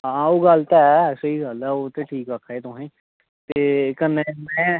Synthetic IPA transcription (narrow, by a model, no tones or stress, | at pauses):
ɦãoːɡəlt̪aɛsəiːɡəlɛoːt̪eʈʰiːkəkʰaːeːt̪ʊɦẽː | t̪eːkənemɛ̃ː